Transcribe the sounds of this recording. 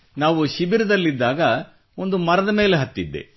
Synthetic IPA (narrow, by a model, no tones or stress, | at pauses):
naːʋuʃibiɾɐd̪ɐlːid̪ːaːɡɐ | o̞nd̪umɐɾɐd̪ɐme̞ːleɦɐt̪ːid̪ːe̞̰